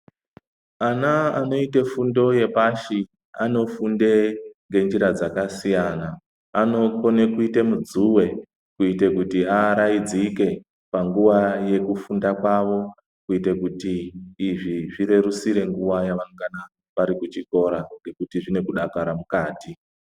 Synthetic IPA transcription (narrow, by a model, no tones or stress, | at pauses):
anaano̞ite̞fundo̞je̞paʃi | a̰no̞fundeŋɡe̞nd͡ʒiɾad͡zakasijana | ano̞ko̞nekuite̞mud͡zuwe̞ | kuite̞kutiaɾaid͡zike̞ | paŋɡuʋaje̞kufundakwaʋo̞ | kuitekutiːʐiʐire̞rusiɾe̞ŋɡuʋajaʋaŋkana | ʋaɾikut͡ʃiko̞ɾaŋɡe̞kutiʐine̞kuɗakaɾamukaːti